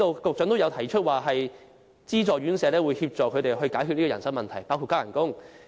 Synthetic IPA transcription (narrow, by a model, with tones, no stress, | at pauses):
to˧wkʊ˨k̚t͡sɵ˨˥ŋt̪o˥wjɐ˨˧wt̪ʰɐ˨˩jt͡ʃʰɵ˥t̚waː˨ɦɐ˨j | t͡siː˥t͡sɔː˨˩ɥyː˨˥nsɛː˨˧lɛː˥wu˨˧jhiː˧p̚t͡sɔː˨kʰɵ˨˧t̪e˨jɦɵ˧ɥkaː˨˥jkʰyː˥˧niː˥ɔː˨ɐ˨˩nsɐ˥ŋmɐ˨nt̪ʰɐ˨˩jpaː˥wkʰu˧t̚kaː˥jɐ̰˨˩nkʊ˥ŋ